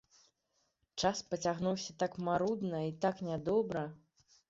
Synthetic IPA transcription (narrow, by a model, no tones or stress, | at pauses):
t͡ʂaspɐt͡sʲaɣnuwsʲɐt̪akmaɾud̪nɐit̪aknʲad̪ɔbɾɐ